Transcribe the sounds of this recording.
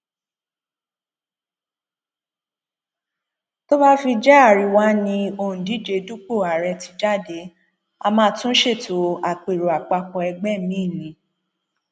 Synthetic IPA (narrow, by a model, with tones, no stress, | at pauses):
to˦ba˦fi˧d͡ʒɛ˦a˦˨ɾi˨wa˦nĩ˧o˦˧˨ũ˨di˨˦d͡ʒe˧du˦k͡po˦˨a˨ɾɛ˧ti˧d͡ʒa˦˨de˨˦ | a˧mãː˦tũ˦ʃe˦˨to˨˦a˨k͡pe˨ɾo˨a˨k͡pa˧kɔ̃˧ɛ˧ɡ͡bɛ˦mĩ˨˦˨nĩ˨˧˦